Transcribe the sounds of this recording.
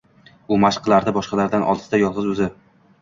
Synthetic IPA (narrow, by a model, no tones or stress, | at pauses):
ʊmaʃqʰlˠaɾd̪abɒʃqɑlaɾd̪anʔɒ̰lˠd̪̥sd̪ajɒlˠʁɨzɵzɪ